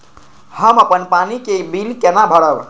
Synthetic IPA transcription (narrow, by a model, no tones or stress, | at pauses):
həməpənpanikebilkenabʱəɽəb